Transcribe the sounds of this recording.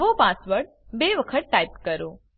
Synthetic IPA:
ʋõpãsʋəɽ | beʋəkʰəʈ̪ːaip̚kəɾo

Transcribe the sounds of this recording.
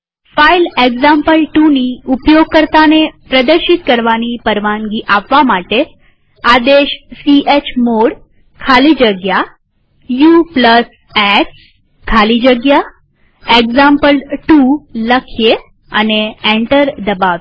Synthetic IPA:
faileɡzampəlʈuniupjoɡ̚kəɾt̪anepɾəd̪əɾɕit̪̚kəɾʋañiːpəɾʋaŋɡiːʔaʋːamaʈe | ad̪eɕsiet͡ɕmoɽ | kʰaliːd͡ʑəɡja | jupləs | ɛks | kʰaliːd͡ʑəɡja | eɡzampəlʈuləkʰje | ə̰neẽɳʈəɾd̪əbaʋ

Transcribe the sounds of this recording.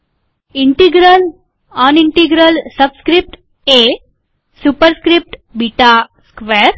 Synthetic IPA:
iɳʈiɡɾəl | ɔniɳʈiɡɾəlsəbskɾip̚ʈ | e | supəɾskɾip̚ʈbiʈaskʋeɾ

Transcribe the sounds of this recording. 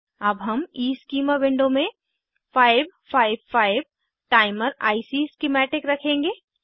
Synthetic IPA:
ɐbɦɐmiːskiːmaʋɪ̃ɳɖõmẽ | fʰaːɪbpʰaːɪʋfaːɪb | ʈaːɪməɾa̰ːɪsiskɪmɛːʈɪkɾɐkʰẽːŋɡeː

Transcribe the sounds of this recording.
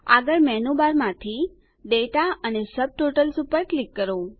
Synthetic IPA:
a̰ɡəɭmɛnubaɾmãt̪ʰi | ɖeʈaənesəb̚ʈoʈəlsupəɾklikːəɾo

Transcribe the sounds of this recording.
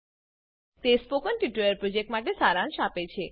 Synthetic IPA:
t̪espokənʈiʈɾojəɾpɾod͡ʒek̚ʈmaʈesaɾãnʃapet͡ʃʰe

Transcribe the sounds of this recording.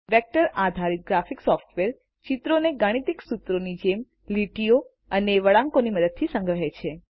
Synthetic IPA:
ʋɛk̚ʈəɾad̪ʱaɾit̪̚ɡɾafiksɔfʈʋeɾ | t͡ʃit̪ɾoneɡaɽ̃it̪iksut̪ɾonid͡ʒem | liʈijo | əneʋəɭãŋkoniməd̪əd̪̚t̪ʰisə̃ŋɡɾəɦet͡ʃʰe

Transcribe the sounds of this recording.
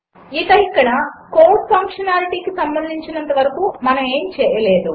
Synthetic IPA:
it̪ɐikːɐɽɐkoːɾʈpʰɐŋkʂɐnaːliʈiːkisɐmbɐnd̪ʱiɲt͡ʃinɐnt̪ɐʋɐɾɐkuːmɐnɐme̞ːmt͡ʃɛːjɐleːd̪u

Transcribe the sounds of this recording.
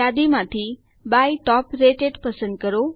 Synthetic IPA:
ad̪imãt̪ʰi | bajʈɔːpɾeʈeɖpəsə̃nd̪̚kəɾo

